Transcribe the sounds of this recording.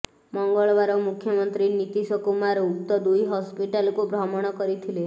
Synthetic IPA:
mɔŋɡɔɭʋaɾɔmukʰjɔmɔnt̪ɾinit̪isɔkumaɾoukt̪ɔd̪ujɦɔspiʈalkobɾɔmɔɽ̃ɔkɔɾit̪ʰile

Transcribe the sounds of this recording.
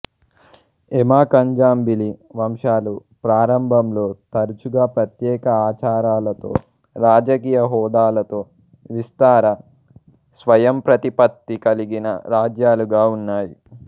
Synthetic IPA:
emaːkɐɲd͡ʒaːmbiliʋɐmʂaːlu | pɾaːɾɐmbʱɐmlo̞ːt̪ɐɾut͡ʃuɡaːpɾɐt̪jɛːkɐaːt͡ʃaːɾaːlɐt̪o̞̰ː | ɾaːd͡ʒɐk̬iːjɐɦɔːd̪aːlɐt̪o̞ː | ʋist̪aːɾɐ | sʋɐjɐmpɾɐt̪ipɐt̪ːikɐliɡinɐ̰ɾaːd͡ʒjaːluɡaːunːaːji

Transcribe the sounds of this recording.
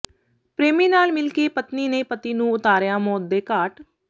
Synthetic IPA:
pɾeːmiːnaːlmɪlkeːpət̪niːneːpət̪iːnũːʊt̪aːɾjaːmɔːd̪eːkaːʈ

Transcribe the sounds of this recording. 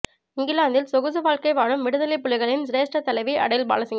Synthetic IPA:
ɪŋɡɪlaːnd̪ɪlsɔɣɯðɯʋaːɭkɐɪʋaːɽɯmːɪɽɯðɐlɪpːʊlɪɣɐɭɪnsɪɾeːsʈɐt̪ːɐlɐɪʋiʔɐ̰ɽɐjɪlba̰ːlɐsɪŋɡɐ

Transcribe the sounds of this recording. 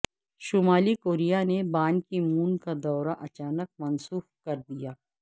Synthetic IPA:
ʃʊmaːlikoːɾijanebaːnkimuːnkad̪ɔːɾaʔɐt͡ʃaːnək̚mɐnsuːfkɐɾd̪ijaː

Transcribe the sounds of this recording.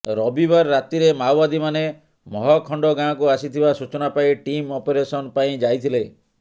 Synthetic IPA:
ɾɔbibaɾːat̪iɾemawbad̪imane | mɔɦɔkʰɔɳɖɔɡãkuasit̪ʰibasut͡ʃɔnapaiʈimɔpeɾesɔnpaĩd͡ʒajt̪ʰile

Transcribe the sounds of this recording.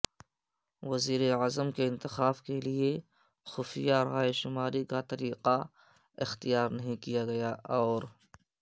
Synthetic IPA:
ʋɐziːɾeazəmkeɪ̃nt̪ɪxaːbkelie | xʊfijaɾɦaːeʃʊmaːɾikat̪ɐɾiːqa | ɪxt̪ijaːɾnɐɦĩkijaɡɐjaɔːɾ

